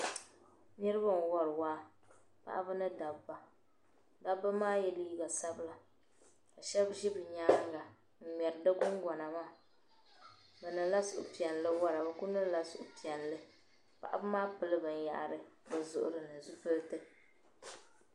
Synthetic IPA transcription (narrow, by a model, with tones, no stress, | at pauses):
nɨ˦ɾɨ˦ba˦n˨wɔ˦ɾɨ˨waː˦ | pa̰˨ʔa̰˦bɨ˦nɨ˦da˨ba˨ | da˦bːa˦maː˦jɛ˦liː˦ɡa˨sa˦bɨ˦la˨ | ka˨ʃɛ˦bʒi˦bɨ˨ɲa˦ŋ˦ɡa˨ | n̩˨ɲɛ˨ɾdɨ˦ɡʊ˦ŋɡɔ˨na˨ma˦ | bɛ˨nɨ˨˦la˦sʊ˨ʔʊ̰˨pi˨ɛ˨n˨lɨ˦wa˦ɾa˨ba˦ku˦nɨ˦la˦sʊ˨ʔʊ˨pi˨ɛ˨n˨lɨ˦ | pa̰˨ʔa˦bɨ˦maː˦pɨ˨lɨ˦bɨ˨n˨ja̰˨ʔa̰˨ɾɨ˦ba˨zʊ˨ʔʊ̰˨ɾɨ˨nɨ˨zu˦fɨ˦ltɨ˦